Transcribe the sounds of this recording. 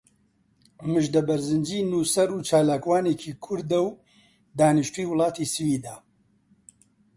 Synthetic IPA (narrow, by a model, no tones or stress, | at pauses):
mɨʒd̪ɐbɐɾzɨnd͡ʒiːnuːsɐɾuːt͡ʃaːlaːkwaːneːkʰiːkʰʊɾd̪ɐw | d̪aːnɨʃt̪uiːwʊlˠɑːt̪isɨwiːd̪aː